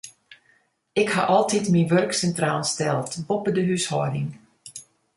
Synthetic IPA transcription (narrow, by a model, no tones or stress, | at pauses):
ɪkha̰ʔɔlˠtitminʋørksɛntraːlˠstɛlˠtbopədəɦyshɔədɪŋ